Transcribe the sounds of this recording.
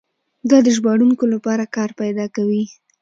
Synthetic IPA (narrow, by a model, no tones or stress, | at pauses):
d̪ɑd̪əʒbɑɽuŋkolapɑɾakɑɾpajd̪ɑkawi